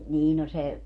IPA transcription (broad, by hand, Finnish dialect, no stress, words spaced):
niː no se